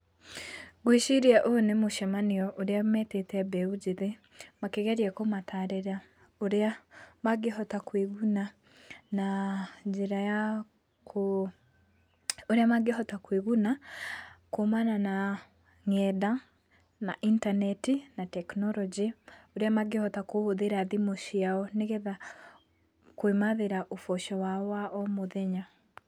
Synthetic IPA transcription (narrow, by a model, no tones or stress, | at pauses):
ɡwiʃiɾiaʔonemuʃamaniɔʔoɾeamɛtetɛbɛuɟiðe | makeɣeɾjakomataɾeɾa | oɾamaɡeɦɔtakweɣuna | nad͡ʒeɾaja | ko | oɾeamaɡehɔtakweɣuna | komanana | ŋɛda | naʔintanɛtinatɛknɔɾɔd͡ʒeoɾeamaɡehɔtakoβoðeɾaðimoʃiaɔneɣɛða | kwemaðeɾaʔofɔʃɔwaɔaʔɔmoðɛɲa